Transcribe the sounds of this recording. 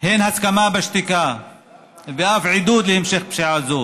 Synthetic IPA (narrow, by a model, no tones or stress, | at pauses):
henhaskamabaʃt̪ika | veʔafʕid̪ud̪lehemʃeχpʃiʕazo